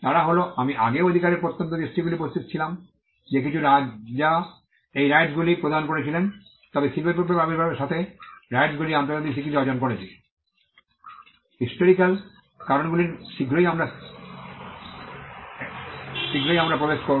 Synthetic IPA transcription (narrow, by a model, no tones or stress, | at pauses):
t̪aɾaɦoloʔamiʔaɡeod̪ʱikaɾeɾpoɾt̪ːont̪od̪isʈiɡuliupost̪it̪t͡ɕʰilam | d͡ʑek̬it͡ɕʰuɾad͡ʑa | ejɾajɖsɡulipɾod̪ʱaɦonkoɾet͡ɕʰilen | t̪ɔbesilbʱeɾpokːobabiɾbʱabeɾʃat̪ʰeɾajɖsɡuliant̪oɾd͡ʑat̪ik̚t̪ʰikid͡ʑɔd͡ʑonkoɾet͡ɕʰi | hisʈoɾikal | kaɾonɡuliɾʃiɡɾojamɾa | ʃiɡɾojamɾapɾobeʃkoɾ